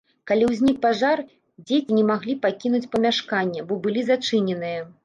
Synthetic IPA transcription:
kalʲiwzʲnʲik̚paʐar | d͡zʲet͡sʲinʲɛmaɣlʲipakʲinut͡sʲpɐmʲaʂkanʲːɐbɔbɨlʲizat͡ʂɨnʲɛnɨjɐ

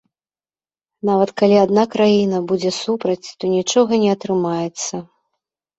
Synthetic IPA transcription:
navɐt̪kalʲiad̪nakɾajinɐbud͡zʲɛsupɾɐt͡sʲt̪ɔnʲit͡ʂɔɣɐnʲɛɐt̪ɾɨmajɛt̪sːɐ

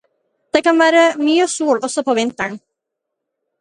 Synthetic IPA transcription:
d̪̥eːkɑnʋæːɾəmyːəsuːɭɔsɔpʰoːʋɪnt̪əɳ

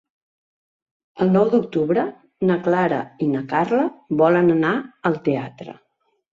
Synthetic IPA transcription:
əlˠnɔwd̪uk̚t̪uβɾə | nəklaɾə̰inəkarləβɔlənənaəlˠt̪eat̪ɾə̰

